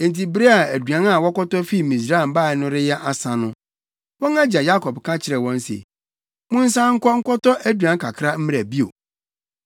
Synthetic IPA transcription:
ẽ˨n˨ti˨be˦a˨æ˨du˨ã˨˦na˨wɔ˦kɔ˦tɔ˦fi˦˨mĩ˨s̬ɾa˦˨m˨ba˦˨ɛ˨nʊ̃˦ɾɪ˦jɛ˦ʔa˨sã˨nʊ̃˦ | wɔ̃˦ŋã˦d͡ʑa˨ja˦kʰɔ˨bkʰã˦t͡ɕʰɪ˨ɾɛ˨wɔ̃˦n˦sḛ˨ | mʊ̃˦n̩˦s̬ã˦ŋ̩˦kɔ˦ŋ̩˦kʰɔ˦tɔ˦ʔæ˦dɥã˨˦ŋ̩kʰa˨kʰɾa˦m̩˦m˦ɾæ˨bi˦o̰˨

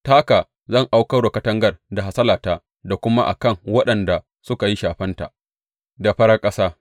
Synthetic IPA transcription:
taː˦kaː˨ | zɐ˦˨ŋʔa˦wkɐ˦wɽo˨kɐ˦tɐ˦ŋɡɐ˦˨rda˨ɦa˦sɐ˦laː˨taː˦ | da˨kʷʊ˦ma˦ʔa̰˨kɐ˦˨ŋwɐ˦ɗɐ˨nda˨ | sʊ˦ka˨ji˦ʃaː˨ɸɐ˦nta̰˨ʔ | da˨ɸɐ˦ɽa˦kʼɐ˦saː˦

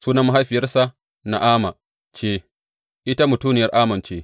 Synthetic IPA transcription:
suː˦nɐ˦ma˦ɦa˦jɸɪ˨jɐ˦rsa˦ | na˨ʔaː˦ma˨ | t͡ʃeː˦ | ʔɪ˦ta˦mʊ˨tuː˦nɪ˨jɐ˦rʔaː˦mɐ˨nt͡ʃeː˦

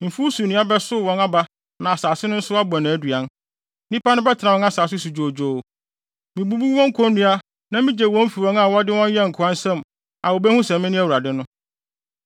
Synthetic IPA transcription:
m̩˨fu˦su˨nĩ˨˦a˦bɛ˦sʊ˦˨wɔ̃˦na˦ba˦ | nã˨a˨saː˨sɪ˦nʊ̃˦n̩˦sʊ˦a˦bɔ˨nã˨æ˨˦dɥa˨˦n | nĩ˦pʰa˦nʊ̃˦bɛ˦tʰɪ˨na˨wɔ̃˦na˦saː˨sɪ˦su˨d͡ʑo˨d͡ʑoː˨ | mĩ˨bu˦bu˦wɔ̃˦ŋ̩˦kʰɔ̃˦nnɪ̃˦a˦ | nã˨mĩ˦d͡ʑɛ˨wɔ̃˦m̩˦fi˨wɔ̃˦ŋa˦˨wɔ˦dɪ˦wɔ̃˦n˦jɛ˦ŋ̩˨kʰʊ˨ã˦n˦sɛ̃˦˨m | a˨wɔ˨bɛ˦hũ˦sɛ̃˨mɪ̃˦nɪ̃˦æ˦wu˨ɾa˨dɪ˦nʊ̃˦

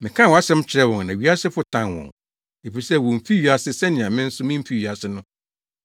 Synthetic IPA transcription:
mɪ̃˨kʰã˦˨wa˦sɛ̃˦m˦t͡ɕʰɪ˨ɾɛ˦wɔ̃˨ŋ˨nã˨ɥi˨˦a˦sɪ˦fʊ˦tʰã˦˨nwɔ̰̃˨n | e˨fi˨sɛ˦˨wɔ̃˨m̩˨fi˦ɥi˨a˦sɪ˦sɛ˦nɪ̃˨ã˨mɪ̃˦n̩˦sʊ˦mɪ̃˦m̩˦fi˦ɥi˨a˨sɪ˦nʊ̃˦

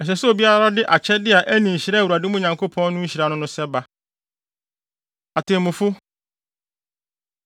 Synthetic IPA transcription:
ɛ˨ɕ̬ɛ˨so˨bi˦a˦ɾa˦dɪ˦ʔa˨t͡ɕʰɛ˦dɪ˦a˨ʔæ˦nĩ˨ɕi˨ɾɛ˦˨wu˨ɾa˨dɪ˦mʊ̃˦˨ɲã˨ŋkʰo˦pʰɔ̃˦n˦nʊ̃˦ɲ̩˦ɕi˨ɾa˦nʊ̃˦nʊ̃˦sɛ˦ba˦ | a˨tʰɪ̃˨mʊ̃˨fʊ˦

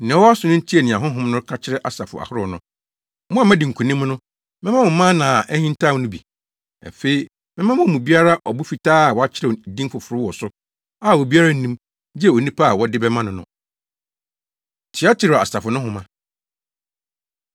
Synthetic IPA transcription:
nã˨˦wɔ˦a˦sʊ˨nʊ̃˦tʰi˦ɛ˨nɪ̃˨ã˨ɦʊ̃˦ɦʊ̃˦mnʊ̃˦kʰa˦t͡ɕʰɪ˦ɾɛ˦ʔa˨sa˨fʊ̰˨a̰˨hʊ˦ɾʊ˨nʊ̃˦ | mʊ̃˦a˨mɛ̃˦dɪ̃˨ŋ̩˨kʰũ˨nĩ˦m˦nʊ̃˦ | mɪ̃˦mã˦mʊ̃˨mã˦nãː˨ʔɛ˦hĩ˦n˦tʰã˦˨˦nʊ̃˦bḭ˨ | a̰˨fe˦i˨ | mɪ̃˦mã˦mʊ̃˦˨mũ˨bi˦a˦ɾa˦ʔɔ˨bu˦fi˨tʰaː˦a˨wɔ˨a˦t͡ɕʰɪ˦ɾɛ˨dĩ˦mfʊ˨fʊ˨ɾʊ˦wɔ˨sʊ˦ | a˦˨wo˨bi˦a˦ɾa˦n̩˦nĩ˦m | di˦ɛ˨o˨nĩ˦pʰa˦a˨wɔ˦dɪ˦bɛ˦mã˦nʊ̃˨nʊ̰̃˨ | tʰɪ˨˦a˦t͡ɕʰɪ˦ɾɛ˨a̰˨sa˨fʊ˨nʊ̃˦ɦʊ̃˨mã˨

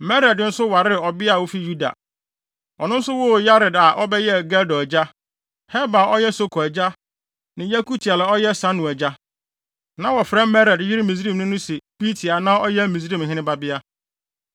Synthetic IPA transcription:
mɛ˦ɾɛ˨dn̩˦sʊ˦wa˨ɾɪ˦˨ɔ˨bɪ˦a˨wo˦fi˦ju˦da̰˨ | ɔ˨nʊ̃˦n̩˦sʊ˦wʊ˦ja˦ɾɪ˨da˨ʔɔ˦bɛ˦jɛ˦ɡɛ˦dɔ˨d͡ʑa˦ | hɛ˦ba˨ɔ˦jɛ˦so˦kʰɔ˨æ˨d͡ʑa˦ | nɪ̃˨ja˦ku˦tʰi˨a˨la˨ɔ˦jɛ˦sã˦nʊ̃˨æ˨d͡ʑa˦ | nã˨wɔ˨fɾɛ̃˦mmɛ˦ɾɛ˨djɪ˦ɾɪ˦mĩ˨s̬ɾĩ˦˨m˨nʊ̃˦nʊ̃˦sɛ˨bi˦tʰi˨a˨nã˦ɔ˦jɛ˦mĩ˨sɾĩ˦˨m˨ɦɪ̃˦nɪ̃˦ba˦bɪ˦a˦

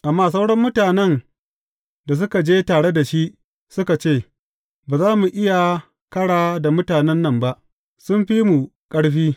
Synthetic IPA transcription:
ʔa˨mːaː˦˨s̬a˦wɽɐ˦mːʊ˦taː˨nɛ˦n | da˨s̬ʊ˦ka˨d͡ʒeː˦taː˨ɽe˦da˨ʃi˦ʔ | sʊ˦ka˨t͡ʃeː˦˨ | baː˨zaː˦mu˨ʔɪ˦ja˨ | kɐ˦ɽaː˨da˨mʊ˦taː˨nɛ˦nːɐ˦mba˦ʔ | sʊ˦mɸi˦mu˨kʼɐ˦ɽɸiː˦

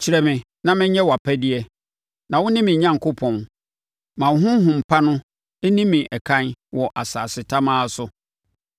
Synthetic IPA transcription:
t͡ɕʰi˨ɾɛ˨mɪ̃˨ | nã˨mɪ̃˦ɲɲɛ̃˦wa˨pʰæ˦di˦ɛ˦ | nã˨wʊ̃˦nɪ̃˦mɪ̃˨ɲã˦ŋ˨kʰo˦pʰɔ̃˨n | mã˨˦ɦʊ̃˦ɦʊ̃˨m̩˨pʰa˦nʊ̃˦ | ɛ˦nĩ˦mɪ̃˨ʔɛ˨kʰã˦nwɔ˨ʔa˨saː˨sɪ˨tʰa˦mãː˦sʊ˦

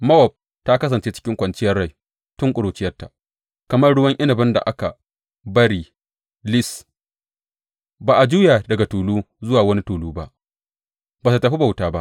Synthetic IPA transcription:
mɐ˦wɐ˨b̚ | ta˦kɐ˦s̬ɐ˨nt͡ʃeː˦t͡ʃɪ̥˦kʲɪ˦ŋkʷɐ˨nt͡ʃɪ˦jɐ˦rːa˦˨j | tʊ˦ŋkʷʼʊ˨ɽoː˨t͡ʃɪ˦jɐ˦rta˨ʔ | kɐ˨mɐ˦rɽʊ˦wɐ˦ŋʔɪ˦nɐ˨bɪ˦nda̰˨ʔa˦ka˨ | bɐ˦ɾiː˦˨ | lɪ˦s | baː˨ʔa˨d͡ʒu˦jaː˨dɐ˨ɡa˨tuː˨luː˦zʊ˦waː˨wɐ˦ni˦tuː˨luː˦ba˦ʔ | baː˨ta˨tɐ˨ɸi˦ba˨wtaː˦ba̰˦ʔ

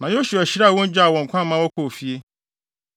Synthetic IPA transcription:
nã˨j̃õ˦ɕu˨æ˨ɕi˦ɾa˦˨wɔ̃˦n˦d͡ʑᶣa˦˨wɔ̃˨ŋ̩˨kʷʰã˦mã˦wɔ˦kʰo˨fi˨˦e˦

